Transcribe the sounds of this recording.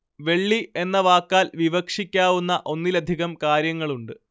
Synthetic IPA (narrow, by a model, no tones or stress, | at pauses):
ʋe̞ɭːie̞nːɐʋaːkːaːlʋiʋɐkʂikʲːaːʋunːɐʔo̞nːilɐd̪ʱiɣɐmkaːɾjɐŋːɐɭuɳɖɨ